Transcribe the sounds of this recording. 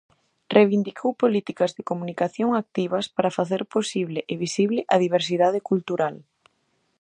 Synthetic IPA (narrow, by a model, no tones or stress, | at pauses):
reβind̪ikʰowpolit̪ikɐzðekomũnikaθjoŋak̚t̪iβ̞ɐspaɾafaθeɾposiβlɪʔeβisiβlɪʔɐðiβeɾs̬iðað̞ɪkult̪uɾal